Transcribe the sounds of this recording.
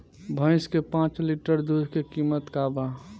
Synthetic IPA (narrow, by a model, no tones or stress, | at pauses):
bʱə̃ɪskepãːt͡ʃliʈəɾd̪ud̪ʱkekimət̪kaba